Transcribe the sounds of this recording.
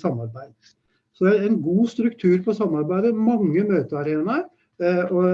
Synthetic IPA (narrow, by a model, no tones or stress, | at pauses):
sɑmːɑɾbæɪd̪ | sɔd̪æɾɛnɡuːst̪ɾʉk̚t̪ʰʉːɾpɔsɑmːɑɾbæɪd̪əmɑŋːəmøːt̪əɑɾeːnɑɾ | ɔ